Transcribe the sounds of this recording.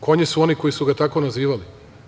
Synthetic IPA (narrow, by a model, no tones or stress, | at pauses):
kʰo̞ɲesuo̞niko̞jisuɡat̪ako̞naziːʋali